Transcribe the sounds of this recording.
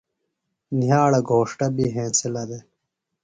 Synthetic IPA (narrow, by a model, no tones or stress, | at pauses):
nijaːɽɐɡʱoːʂʈɐbiɦẽːsilɐd̪e